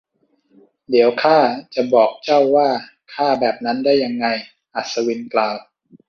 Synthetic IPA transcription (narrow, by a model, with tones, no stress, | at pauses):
di˩˦əwkʰaː˥˩t͡ɕa˨˩bɔː˨˩k̚t͡ɕa˥˩wːaː˥˩ | kʰaː˥˩bɛː˨˩p̚na˦˥ndaː˥˩jːa˧ŋːa˧j | ʔa˨˩t̪̚sa˧wi˧nklaː˧w